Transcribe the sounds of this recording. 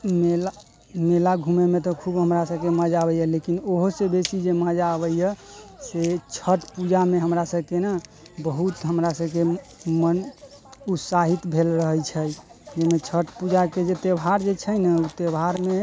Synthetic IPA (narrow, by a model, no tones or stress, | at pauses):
mela | melaɡʱumemet̪ɔkʰubɦəmɾasəbkeməd͡ʒabəjəlekinoɦosebesid͡ʒeməd͡ʒabəjjəset͡ʃʰəʈpud͡ʒameɦəmɾasəbkenə | bəɦut̪ɦəmɾasəbkemən | ut̪saɦit̪bʱelɾəɦəjt͡ʃʰəd͡ʒemet͡ʃʰəʈpud͡ʒaked͡ʒet̪ebʱaɾd͡ʒet͡ʃʰənəut̪ebɦaɾme